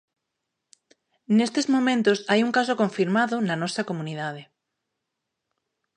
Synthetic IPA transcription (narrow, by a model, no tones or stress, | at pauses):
nest̪ezmõmẽnt̪osajuŋkasokoɱfiɾmaðonanosakomũniðað̞e